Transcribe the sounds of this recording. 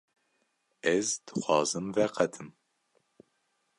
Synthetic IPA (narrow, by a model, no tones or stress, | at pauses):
ɛzd̪̥ɨxʷɑːzɨmvɛqɛt̪ʰɨm